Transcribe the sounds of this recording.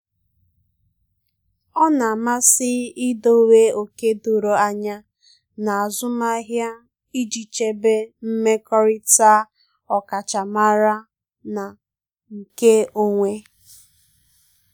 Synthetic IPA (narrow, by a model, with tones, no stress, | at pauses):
ɔ˦na˨a˨ma˦sɪ˦ɪ˦do˦we˦o˨ke˦du˨ɾo˨a˦ɲa˦ | na˨a˨zʊ˦ma˦ɦja˦ | i˦d͡ʒi˨t͡ʃe˦be˦m̩˦me˦kɔ˦ɾɪ˦ta˦ | ɔ˨ka˨t͡ʃa˨ma˦ɾa˦ | na˨ | ŋ̩˨ke˦o˦ŋʷe˦